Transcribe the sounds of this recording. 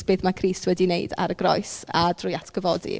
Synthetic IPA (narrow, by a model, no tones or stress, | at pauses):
b̥eːθmakʰriːstʰwɛdineɨda̰ɾəɡrɔ̰jsadrʊjatʰɡ̥əvɔdḭ